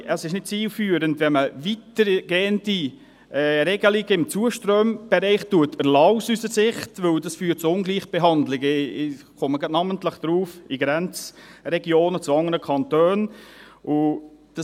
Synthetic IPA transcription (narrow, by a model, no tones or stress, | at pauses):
əsɪʃnɪt̚t͡siːlfyːəɾəntʋɛnməvitəɾɡ̥eːəndi | ɛːɾɛɡəlɪɡəɪmt͡suːəʃtɾøːmb̥ɛɾɛɪχtːuətəlɑwsysəsɪχtvɵldɑsfyːt̚t͡sʊʊnɡliːχb̥eɦɑndlɪɡə | χoməɡnɑməntləχd̪̥ɾuːfiɡɾɛnt͡srɛɡjoːnət͡sʊɑŋəɾəkʰɑntøːnʔʊd̥ɑ